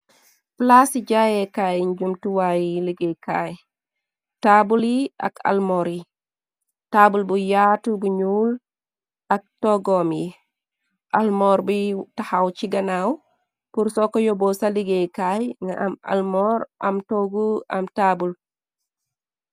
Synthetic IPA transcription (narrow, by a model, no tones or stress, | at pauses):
plasiɟajɛkajɲd͡ʒumtuwajiliɡejkaj | tabulia̰ka̰lmɔɾi | tabulbujatubuɲuːl | ak̚tɔɡɔmji | ʔalmɔɾbitahawt͡ʃiɡanaw | puɾsɔkɔjɔbɔsaliɡejkajŋa̰ʔama̰lmɔɾʔamtoɡua̰mtabul